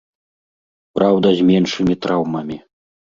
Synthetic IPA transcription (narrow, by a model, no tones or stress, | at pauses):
pɾawd̪ɐzʲmʲɛnʂɨmʲit̪ɾawmɐmʲi